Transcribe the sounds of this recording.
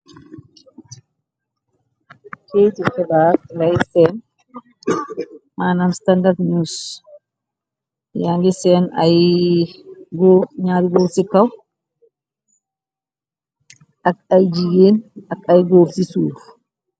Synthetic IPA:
kʰejt̪ɪkːɛbaːklɐjsɛn | maːnɐmst̪ɐnd̪ɐɾt̪ɲuːs | jaŋɡɪsɛnɐ̰j | ɡoːɲaːd̪ɡoːfsɪkːɐw | ʔɐkʼɐjd͡ʒɪjeːnɐkʼːɐjɡoːbsɪsuːdʊ

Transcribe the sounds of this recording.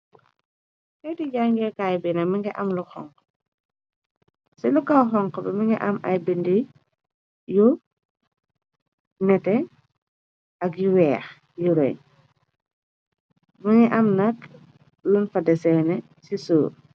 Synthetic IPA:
kɛtiɟaŋɡɛkaːjbinɐmɐŋɡɛʔɐmluxɔ̰ŋk | sɛlukawxɔŋkɔbɛmɐŋɛʔɐmɐ̰jbindi | ju | nɛtɛ | ɐkjiwɛːx | juɾɛ̰ɲ | mɐŋɛʔɐmnɐk | lunfɐdɛsɛnɛ | sisuːr

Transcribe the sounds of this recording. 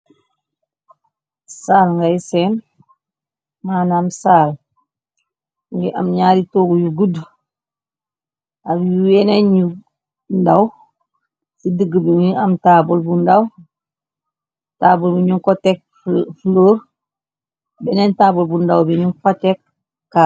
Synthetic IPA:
saːlŋɡajsen | maːnamsaːl | ŋɡiʔa̰mɲaːɾitoːɡujuɡud | abjuweneɲu | ndaw | sidəɡəbiŋiamtabolbundaw | taːbulbiɲuŋkotek̚ | floːɾ | benentaːbulbundawbiɲuŋkotek̚ː | a

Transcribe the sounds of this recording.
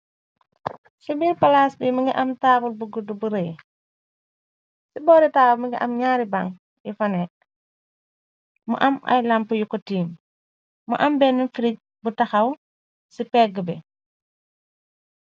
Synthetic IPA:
sibiɾpɐlaːsbimuŋɡiʔɐmtaːbulbuɡudubuɾej | sibɔːɾitaːbulmiŋɡiʔɐmɲaːɾiba̰ŋ | ifɐnɛ | mṵʔɐmɐ̰jlampujukɔtiːm | muʔɐmbɛːnːunfiɾic̚ | butɐxɐw | sipɛɡəbɛ

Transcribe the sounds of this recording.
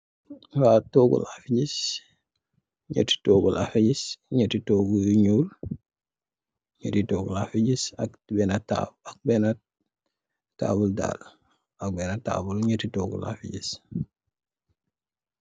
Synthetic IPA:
watoːɡṵlafiɟis | ɲə̰ti̥toɡulʔafiɟisɲətitoɡuɲuːl | ɲətitɔːɡṵlafiɟisak | bɛnata̰ak̚bɛna | ta̰ːbulda̰l | ak̚bɛnata̰ːbulɲətitɔɡṵla̰fiɟis

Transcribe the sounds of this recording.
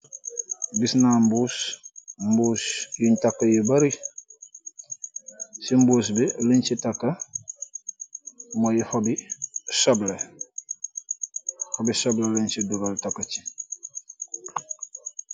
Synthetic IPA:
bisnambusmbusjintakːajebaɾi | simbuːs̬bilint͡ʃitakːa | mojihobisɔble | hobisoblelint͡ʃiduɡaltakːat͡ʃi̥

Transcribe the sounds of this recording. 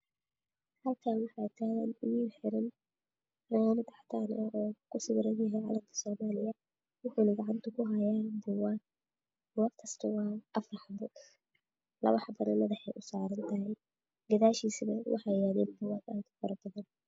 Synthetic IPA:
hɐlkʰaːwɑħɑt̪ʰaːɣaːnʊjinħɪɾɪn | rɐjaːnɐd̪ɐħt̪ʰaːnɐɔːkʰʊsɪβɾɐnjɐɦɛjʕɑ̰ːlɐmkʰɐ̥sɔːmaːlɪjɐ | wʊħuːnɐɡɑʕant̪ʰɐkʰʊɦɐjaːnbʊwaːn | waːɡkʰɐst̪ʰɐwɑːʔɐfrɑħɑbɐ | lɐ̰βɐħɑbɐnɐmɐðɐħɛjʔʊsaːɾɐnt̪ʰɐɦɛj | ɡɐðaːʃiːsβɐwʔɑ̰ħɑjaːðɛːnb̪ʊwaːd̪aːd̪ʊfɐɾɐbɐðɐn

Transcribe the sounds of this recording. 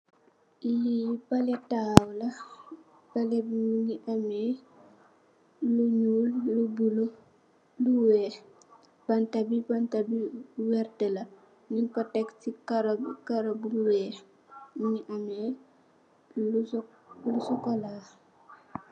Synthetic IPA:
ibɐlɛtawlɐ | bɐlɛbuŋiʔɐmɛː | luɲuːlːubulo | luwɛːx | b̥ɐntɐbibantabiwɛrtəlɐ | niŋkɔtɛktikaɾkaɾɐbuluwɛːx | ŋiʔɐmɛ | lusɔkɔlaː

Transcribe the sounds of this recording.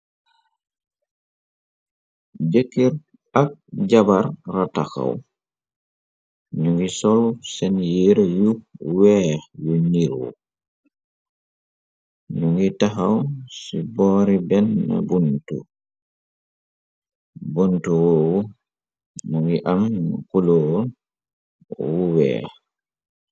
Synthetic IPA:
d͡ʒekːiɾ | ak̚d͡ʒabaɾːata̰ka̰w | ɲuŋɡisɔlsɛnjiɾjuwɛjuɲiɾwɔ̰ | ɲuŋɡitaɦawsibɔːɾibɛnːa̰buntṵ | buntuwowu | ɲuŋɡiʔamkulo | wuwɛ̰

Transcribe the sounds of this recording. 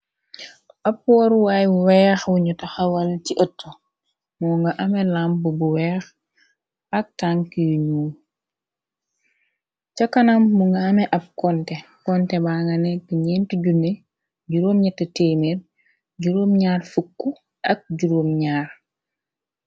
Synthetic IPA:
ʔɐpːwɔɾwajwuwɛxwuɲutɐxɐwɐlciʔətːo | muŋɡaʔɐmɛlambubuwɛːx | ɐk̚taŋkijuɲuː | cɐkːɐnamːuŋɡɐɐmɛʔɐp̚kɔntɛkɔntɛbaŋɡɐnekiɲɛntuɟune | ɟuɾoːmɲɛtːɐteːmeɾ | ɟuɾomɲaːɾfukːu | ɐk̚ɟuɾoːmɲaːɾ

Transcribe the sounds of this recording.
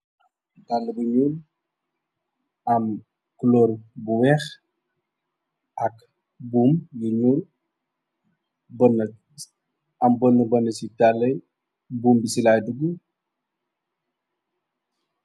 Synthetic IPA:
talːəbuɲuːl | ɐm | kuloːɾbuwɛx | ʔɐk | buːmjuɲuːl | bən | ɐmbɔnːəbɐnːəsitalːəj | buːmbisilaːjduɡu

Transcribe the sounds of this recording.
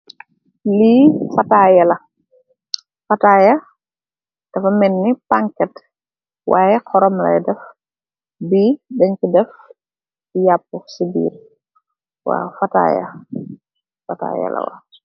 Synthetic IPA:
lifɐtaːjɐlɐ | fɐtaːjɐ | d̥ɐfɐmɛnːipaŋkɛt | waːjɛkʰɔɾɔmlɐ̰dɛf | bidɛɲkidɛf | ijapːusibḭːr | wa̰ːfɐta̰ːjɐ̰ | fɐta̰ːjɐ̰lɐ̰wɐ̰

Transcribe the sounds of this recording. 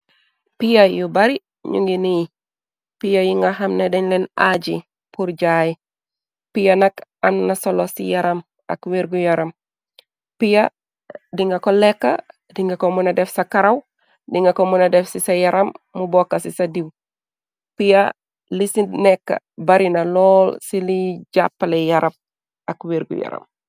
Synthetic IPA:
pijajubaɾi | ɲṵŋɡiniji | pijajiŋɡaɦɐmnedeɲlenad͡ʒi | puɾd͡ʒaj | pijanɐkanːasolosḭjɐɾɐm | ɐ̰kweɾɡujaɾɐm | pija | diŋɡakolekːa̰ | diŋɡɐkomunɐdɛfsɐkɐɾɐw | diŋɡɐkomunɐdɛfsisɐjɐɾɐmːubɔkːɐsisɐdiw | pijɐ | lisinɛkːɐ̰ | bɐɾinɐlɔːlsiliɟapːalejɐɾɐp̚ | ɐkweɾɡṵjɐ̰ɾɐ̰m

